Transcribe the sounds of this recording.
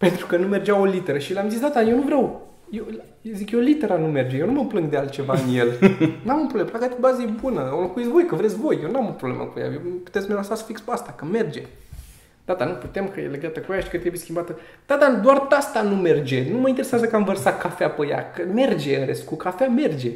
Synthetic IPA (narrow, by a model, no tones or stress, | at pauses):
pe̞nt̪ɾukənume̞rd͡ʒawo̞lit̪e̞ɾəʃileamzisd̪at̪ajenuvɾʲaw | je | zikjolit̪e̞ɾanume̞rd͡ʒejewnuməplɨŋɡd̪ealt̪t͡ʃe̞vaɨnje̞lnuamopɾobleplakakubazebunəolokuit̪svo̞jkəvɾet̪sʲvo̞jjewnuamopɾoblḛmə̰kuja̰jepu̥t̪et̪smelasat̪sfikspast̪akəme̞rd͡ʒe̞̰ | d̪at̪anuput̪e̞mkəjele̞ɡat̪əkuajaʃi̥kət̪ɾebujeskʲimbat̪ə | d̪̥at̪ad̪oart̪ast̪anume̞rd͡ʒe̞numəint̪eɾe̞sʲazəkəamvərsat̪̚kafeapəja̰kəme̞rd͡ʒe̞ɨnɾḛst̪kukafame̞rd͡ʒe̞